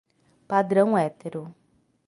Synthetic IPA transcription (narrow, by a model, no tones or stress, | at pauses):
pad̪ɾɐ̃w̃ɛt̪eɾʊ